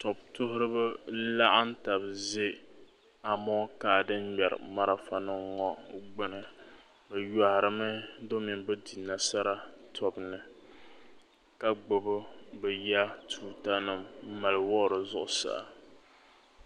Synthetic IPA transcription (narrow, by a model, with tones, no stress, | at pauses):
tɔ˨b̚tʊ˦ɦʊ˦ɾɨ˦bɨ˦la˦ʔa˦n̩˦ta˨bze˦ | a˨mɔ˦ka˨dɨ˦mmɛ˨ɾɨ̰˨ma˦ɾa˨fa˨nɨ˦ŋɔ˦ɡ͡bɨ˦nɨ˨ | bɛ˨ja˨hɾɨ˨mɨ˦do˦mi˨nbɨ˦di˨nːa˨sa˦ɾa˦tʰɔ˨bnɨ˨ | ka˦ɡ͡bo˨bɨ˦bɛ˨ja˦tuː˦ta˦nɨ˨m̩˦ma˨lwɔ˦ɾɨ˨zʊ˦ʔʊ˦sa̰˨